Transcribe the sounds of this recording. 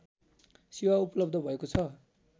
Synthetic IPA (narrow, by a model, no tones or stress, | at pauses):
siwaupʌlʌb̚d̪ʱʌbʱʌekot͡sʰʌ